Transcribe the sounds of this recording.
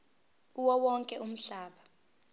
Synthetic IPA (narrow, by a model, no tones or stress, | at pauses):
uwɔwɔŋkʼɛum̩ɬaːɓa